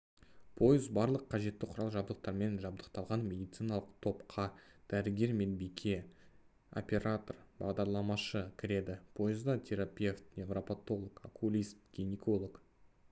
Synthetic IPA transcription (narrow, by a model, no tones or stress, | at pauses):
pʰo̞jɪzbɑɾlˠəqʰːɑʒe̞t̪ːɪqʰʊɾɑlˠʒɑbd̪əq̚t̪ɑɾme̞nʒɑb̚d̪əqt̪ɑlˠʁɑnmʲe̞d̪ijt̪sɨjnɑlˠəqt̪ʰo̞pqʰɑd̪̥æɾɪɡʲe̞ɾme̞nbikʲʰe̞ | o̰pʲe̞ɾat̪o̞rbɑ̰ʁd̪ɑɾlˠɑmɑʃəkʲʰɪɾe̞d̪ɪpʰo̞jɪzd̪ɑt̪ʲʰe̞ɾapʲe̞ft̪nʲevropat̪o̞lˠokakʰulʲist̪̚ɡ̥ʲiniko̞lˠok